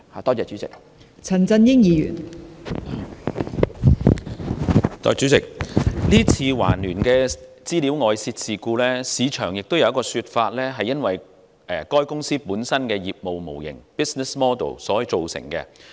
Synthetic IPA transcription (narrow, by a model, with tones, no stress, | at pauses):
ha˨t̪ɔː˥t͡sɛː˧t͡ʃy˨˥t͡sɪ̰˨k̚ | t͡sʰɐ˨˩nt͡sɐ˧njɪ˥ŋjiː˨˧jy̰ː˨˩n | t̪ɔ̰ː˨˧jt͡ʃy˨˥t͡sɪ˨k̚liː˥t͡sʰiː˧wa̰ː˨˩nlyː˨˩nkɛː˧ | t͡siː˥li˨˥wŋɔː˨˧jsiː˧t̚siː˨kuː˧lɛː˥siː˨˧t͡ʃʰœː˨˩ŋjɪ˨k̚t̪o˥wjɐ˧wɐ˥kɔː˧syː˧t̚faː˧t̚lɛː˥ɦɐ˨jːɐ˥nwɐ˨j | ɛ˨˩kɔː˥jkʊ˥ŋsiː˥puː˨˥nsɐ˥nkɛː˧jiː˨p̚mo˨wmo˨˩wjɪ̰˨˩ŋpiː˥snɛ˨smɔː˥d̪o̰˨˩wsɔː˨˥˨t͡ʃo˨wsɪ̰˨˩ŋkɛ̰ː˧